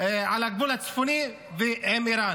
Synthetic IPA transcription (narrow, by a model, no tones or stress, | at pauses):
eʕalaɡ̚bulhat͡sfuni | veʕemiɾan